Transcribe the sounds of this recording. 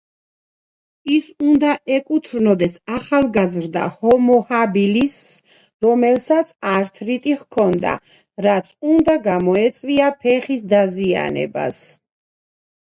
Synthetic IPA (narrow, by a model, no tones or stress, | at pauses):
isund̪aʔɛkʼut̪ʰɾnɔd̪ɛsaχalˠɡazɾd̪a̰hɔmɔhabilis | ɾɔmɛlsat̪sʰaɾt̪ʰɾit̪ʼihkʰɔnd̪a̰ | ɾat̪sʰund̪aɡamɔɛt̪sʼviapʰɛχisd̪azia̰nɛ̰ba̰s